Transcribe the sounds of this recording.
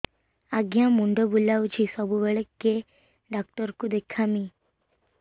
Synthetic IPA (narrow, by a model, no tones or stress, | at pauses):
aɡjãmuɳɖəbulaʋd͡ʒʰisəbʱuʋɛɭəkːe | ɖaːk̚ʈəɾkud̪ekʰamĩ